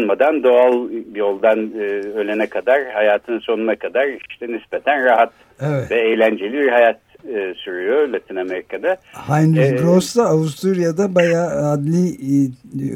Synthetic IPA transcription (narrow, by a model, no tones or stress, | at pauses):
nmad̪and̪o̞alˠbjo̞lˠd̪anːølʲenɛkʰad̪aɾhajaːt̪ʰɯnso̞nunakʰad̪aɾiʃt̪ʰɛnisbet̪ʰænɾaɦat̪ | evɛt̪vɛejlʲænd͡ʒelʲibiɾhajat̪ː | syɾyjolʲat̪ʰiname̞ɾikʰanahajnɾizɡɾosd̪aːvust̪ɾuɾijad̪abajaːd̪lʲi